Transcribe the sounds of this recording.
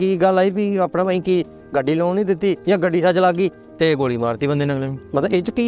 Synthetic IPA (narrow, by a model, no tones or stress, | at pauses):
kiːɡəlːaːiːbiːaːpnaːpaːĩːkiː | ɡəɖːiːloːnĩːd̪ɪt̪ːiːjãːɡəɖːiːsaːt͡ʃlaːɡiː | t̪eːɡoːɽiːbaːɾt̪iːbənd̪eiːnəkleːiːmət̪ləɪt͡ʃkiː